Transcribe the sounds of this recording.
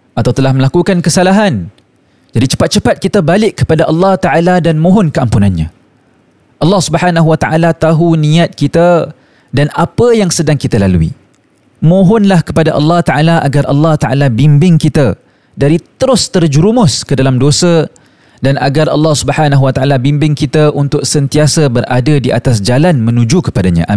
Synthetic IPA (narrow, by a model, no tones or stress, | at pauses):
ʔat̪awt̪əlahməlakukankəsalaɦan | d͡ʒadit͡ʃə̥pat̪̚t͡ʃəpat̪̚kit̪abalɪkːə̥padaʔɑlːɑht̪aʔaladanmõɦɔnkəampunanɲã | ʔɑlːɑhsubəħanaɦuwat̪aʔalat̪aɦunĩat̪̚kit̪a | danapəjaŋsədaŋkit̪alalṵḭ | mõɦɔnlahkəpadaʔɑ̰lːɑht̪aʔalaʔaɡarʔɑ̰lːɑht̪aʔalabimbɪŋkit̪ə | daɾit̪əɾʊst̪ərd͡ʒuɾumʊskədalamdosə | danʔaɡarɑ̰lːɑhsubəħanaɦwat̪aʔalabimbɪŋkit̪əʔunt̪ʊk̚sənt̪iasəbəɾʔadədiʔa̰t̪asd͡ʒalanmə̃nũd͡ʒukə̥padaɲã̰ʔa